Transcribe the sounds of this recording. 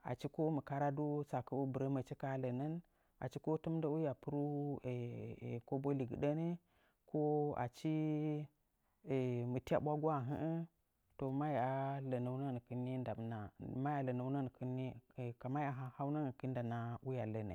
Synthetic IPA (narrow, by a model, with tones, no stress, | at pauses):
a̰˨t͡ʃi˦ko˦mə˨ka˦ɾa˦du˦sa˨kə˦u˦bə˨ɾə˦mə˨t͡ʃi˦ka˦lə˨nə˦n | a̰˨t͡ʃi˦ko˦tu˦m˦da˦wu˦ja˨pu˦ɾu˦e˨ko˦bo˦li˨ɡɨ̰˨ɗə˦ne˦ | ko˦a̰˨t͡ʃi˦ | e˨mə˨ti˦a̰˨ɓʷa˦ɡu˦a˦˨ɦə˦ʔə˦ | to˨ma˦ja˨lə˨na˨u˦nə˦n˨kɨ˦nːi˦n˦da˨bna˨ma˦ja˨lə˨na˨˦nə˦n˨ki˦nːi˦˨ka˨ma˦ja˨ɦa˦ha˦wna˦n˨ki˦n˦da˨na˨u˦ja˨lə˨na̰˨